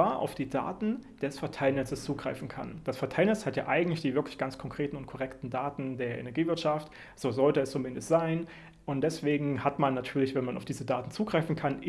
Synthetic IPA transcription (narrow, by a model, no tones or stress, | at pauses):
aːɐʔa̰ʊfd̥iːda̰ːtn̩d̥ɛsfɛɐtʰaɪlnɛt͡səst͡suːɡʁaɪfn̩kʰa̰nd̥asfɛɐtʰaɪlnɛt͡shatja̰ːʔaɪɡŋ̩tlɪçd̥iːvɪɐklɪçɡ̥ant͡skʰɔŋkʁ̥eːtn̩ʊnt̚kʰɔʁɛktn̩daːtn̩deːɐʔḛnɛɐɡiːvɪɐtʃaft | z̥oːzɔltəɛst͡sumɪndəstz̥aɪn | ʔʊntd̥ɛsv̥eːɡŋ̩hatmanːatʰyːɐlɪçv̥ɛnmanʔaʊfd̥iːzədaːtn̩t͡suːɡʁaɪfn̩kʰan